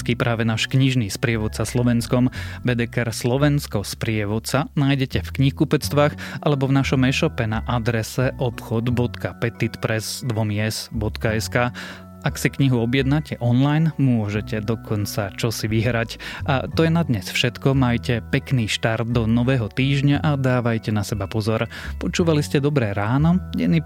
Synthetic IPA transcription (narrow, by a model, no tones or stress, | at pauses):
kipɾʔaːʋɛnaːʃkɲiʒniːspɾɪɛʋɔt̪saslɔʋɛnskɔmbɛd̪ɛkɛɾslɔʋɛnskɔspɾɪɛʋɔt̪t͡sanaːjɟɛcɛfkɲixkupɛt͡st̪ʋaːxʔalɛbɔvnaʃɔmɛʃɔpɛnaʔad̪ɾɛsɛʔɔpxɔd̪bɔt̪kapɛt̪it̪pɾɛzd̪ʋɔmiɛzbɔt̪kaɛskaː | aksikɲiɦuɔbjɛd̪nacɛʔɔnlajnmʊɔʒɛcɛd̪ɔkʰɔnt͡sat͡ʃɔsiʋiɦɾacʔa̰t̪ɔjɛnad̪ɲɛsfʃɛt̪kɔmajcɛpɛkniːʃt̪aɾd̪̚d̪ɔnɔʋɛːɦɔt̪iːʒɲaʔad̪aːʋajcɛnasɛbapɔzɔɾ | pɔt͡ʃuːʋaliscɛd̪ɔbɾɛɾaːnɔɟɛni